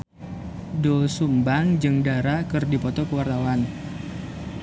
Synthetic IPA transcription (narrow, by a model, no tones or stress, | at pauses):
dosumbaŋd͡ʒɨŋdaɾakɨrdipɔt̪ɔkəwart̪awan